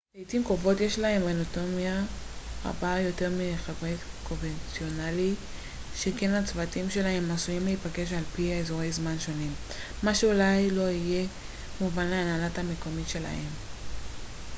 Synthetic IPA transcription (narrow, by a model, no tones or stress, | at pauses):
ejtimkovo̞tje̞ʃlahe̞menoto̞mjaʁa̰bajo̞te̞ʁmiχevʁe | ko̞nvent͡sio̞nali | ʃeke̞nat͡svatimʃe̞lahe̞mːasujimleipaɡe̞ʃ̬alpiaezoʁe̞jzmanʃo̞nimː | aʃeulajlo̞ije̞ | muvanleanalatame̞ko̞mitʃe̞la̰he̞m